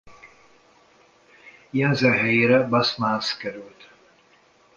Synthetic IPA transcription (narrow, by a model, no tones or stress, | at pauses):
jɛnzɛɦɛjeːɾɛbɑsmanskɛɾylt̪